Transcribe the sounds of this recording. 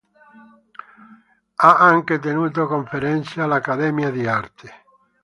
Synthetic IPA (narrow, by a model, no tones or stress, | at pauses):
aaŋket̪̬enut̪̬okõɱfeɾẽnθjalakaðemjaðiaɾt̪e̥